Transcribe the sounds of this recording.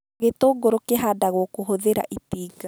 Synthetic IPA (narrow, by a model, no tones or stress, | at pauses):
ɣetoːɡoɾokeɦadaɣwɔkoɦoðeɾa̰ʔitiːɡa